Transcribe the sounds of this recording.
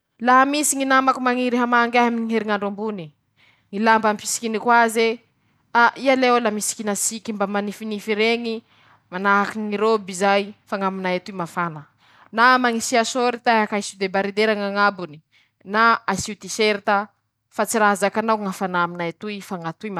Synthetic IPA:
laɦamisiŋinamakumaŋiɾeɦamaŋɡaɦamiŋiɦeɾiŋaɳɖ͡ʐambuni | ŋilambampisi̥kinikwaze | aʔialewlamisi̥kinasikimbamanifinifiɾeŋi | manaɦakiŋiɾobizajfaŋaminajat̪uimafanə | namaŋisiasoɾit̪aeakaisud̪ebaɾid̪eɾaŋaŋabuni | naasiut̪iseɾit̪a | fat͡siɾazakanaŋafanaminajat̪uifaŋat̪uima

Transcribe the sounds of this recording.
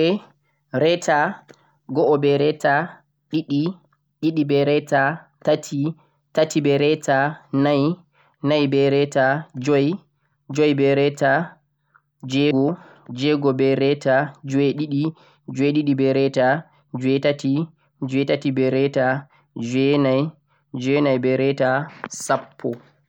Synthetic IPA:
ɛ | ɾɛtʰa | ɡɔʔɔbɛɾɛta | ɗiɗi | ɗiɗibɛɾɛtatatʰi | tatibɛɾɛtʰanaj | najbɛɾɛtad͡ʒɔj | d͡ʒɔjbɛɾɛta | d͡ʒɛɡɔ | d͡ʒɛɡɔbɛɾɛtad͡ʒɔɛɗiɗi | d͡ʒɔjɗiɗibɛɾɛta | d͡ʒɔɛjtati | d͡ʒɔjtatibɛɾɛta | d͡ʒɛnaj | d͡ʒɔnajbɛɾɛtasapʰːɔ

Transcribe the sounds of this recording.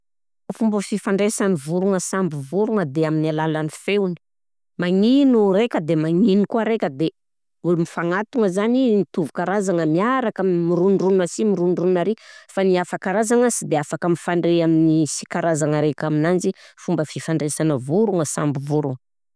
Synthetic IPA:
fumbəfifaɳɖ͡ʐesanivuɾuŋəsambuvuɾuŋəd̪eaminialalanifewni̥ | maŋinuɾekʲəd̪emaŋinikuaɾekʲəd̪e | ulumifaŋat̪uŋəzaninit̪uvukaɾazaŋəmiaɾakammiɾunrunnəsimiɾunruunaɾefaniafakaɾazaŋəsid̪eafakəmifaɳɖ͡ʐeaminisi̥kaɾazaŋəɾekʲaminand͡ʒifumbəfifaɳɖ͡ʐesanəvuɾuŋəsa̰mbivuɾuŋə

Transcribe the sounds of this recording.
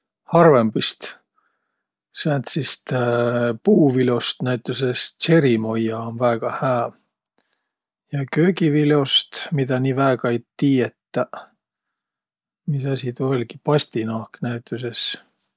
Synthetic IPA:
hɑrvembist̪ | sæːnt̪sist̪puːvilo̞st̪næit̪ːˑusest̪se̞ɾimo̞jɑonvæːɡ̥ɑhæː | jɑkø̞ːɡivilo̞st̪mid̪̥ɑniːvæeɡ̥ɑejt̪iːjet̪ːˑɑ | misɑsʲit̪ulʲɡ̥i̥pɑsʲt̪inɑːknæit̪ːˑuse̞s

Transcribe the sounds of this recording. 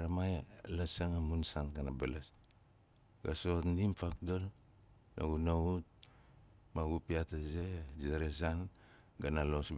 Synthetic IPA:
ɾamajalasaŋamunsanɡanabalas | ɡasotnimpakdol | na̰ɡunaut̚ | maɡupiatazed͡ʒaɾes̬an | ɡanalos

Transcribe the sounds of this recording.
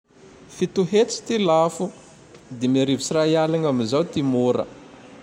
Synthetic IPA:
fit̪uɦet͡si̥t̪ilafu | d̪emaɾivisirajalaŋamizawt̪imoɾə̰

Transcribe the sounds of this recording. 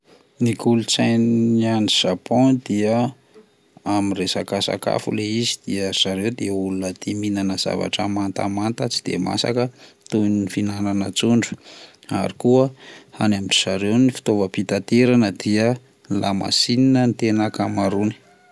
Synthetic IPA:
nikulut͡sajnianiz̥apõd̪iə | amiresa̰kasa̰ka̰fṵleizid̪̥iəz̥aɾewd̪iəulunət̪iminanəz̥a̰va̰ʈ͡ʂəmant̪a̰mant̪at͡si̥d̪̥ḛma̰sa̰kət̪unnifinananət͡suɳɖ͡ʐu̥ | a̰ɾikuəhanamini̥z̥aɾewnifi̥t̪ovəpit̪at̪eɾanəd̪̥iə | lama̰sininənt̪enakamaɾuni̥

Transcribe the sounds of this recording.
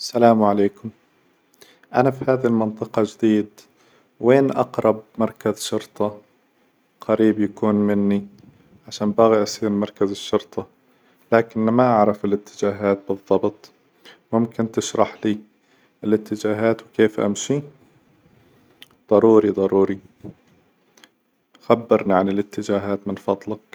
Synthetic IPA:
salaːmʕaleːkʊm | ʔa̰nafihaːðalmɑnt̪ˤɨqɑd͡ʒd̪iːd̪ | weːnʔɑ̰qɾˤɑb̚mɑɾˤkazʃʊɾt̪ˤɑ | qaɾiːbjakuːnmɪnːi | ʕaʃaːnbaɣiʔasˤiːɾmɑɾˤkazɪʃːʊɾt̪ˤʰɑ | laːkɪnːmaʔaʕɾˤɑfɪlɪt̪ːɪ̥d͡ʒaːɦaːt̪̚bɨðˤːɑbt̪ˤ | mʊmkɪnt̪ɪʃɾˤɑħliː | ʔɪlʔɪt̪ːɪd͡ʒaːɦaːt̪wɪkeːfʔa̰mʃi | d̪ˤɑɾuːɾid̪ˤɑɾuːɾi | xabːɪɾˤniʕanɪlɪt̪ːɪd͡ʒaːɦaːt̪mɪnfɑd̪ˤlak̚

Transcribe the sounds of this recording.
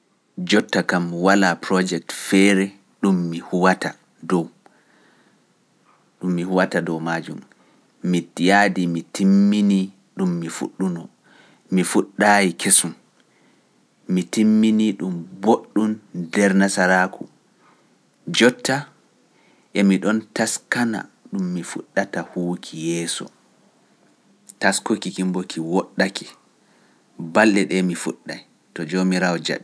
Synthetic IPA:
d͡ʒɔtːakamwalapɾɔd͡ʒɛk̚tfɛɾɛ | ɗumːihuwata | dɔw | ɗumːihuwatadɔwmaːd͡ʒumː | itijaːdimitʰimːini | ɗumːifṵɗːunɔ | mifuɗːajikʰesum | mitimːiniɗumboɗːundɛɾnasaɾaku | d͡ʒɔtːa | ʔɛmiɗɔntaskana̰ɗumːifṵɗːatahuːkʰijɛːsɔ̰ | taskokikimbokʰiwɔɗːaki̥ | balːɛɗɛmifṵɗːa̰j | tɔd͡ʒomiɾawɔd͡ʒa̰ɗ

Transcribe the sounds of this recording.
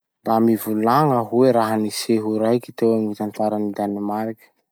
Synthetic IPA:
ramivulaŋaɦueɾaɦəniseɦuɾajkit̪ewaŋit̪ant̪aɾənid̪animaɾikʲə̥

